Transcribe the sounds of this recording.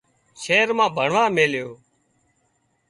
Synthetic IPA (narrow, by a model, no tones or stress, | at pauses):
ʃeːɾmãːbʱəɳʋãːmeːljoː